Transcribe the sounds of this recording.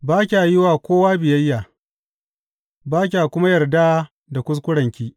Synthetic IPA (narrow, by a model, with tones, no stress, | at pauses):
baː˦kʲa˨jɪ˦waː˨kʷoː˦waː˦bɪ˨jɐ˦jːaː˨ | baː˦k̬ʲa˨kʷʊ˦ma˦jɐ˨rda˦ | da˨kʷʊ˦s̬kʷʊ˦ɽɐ˨ŋkʲiː˦ʔ